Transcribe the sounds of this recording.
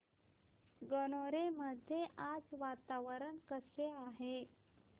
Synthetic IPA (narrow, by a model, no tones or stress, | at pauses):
ɡənoɾeməd̪ʱjeʔad͡zʋat̪aʋəɾənkəseaɦe